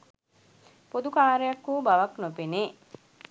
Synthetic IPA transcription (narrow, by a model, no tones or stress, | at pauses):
pod̪ukaːɾejakːuːbaʋaknopeneː